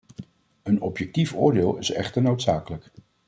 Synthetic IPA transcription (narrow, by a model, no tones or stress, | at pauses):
ənɔpjɛk̚tifʊ̰ːɹdeːlˠɪsɛ̰χtəɹnowtsaːkələk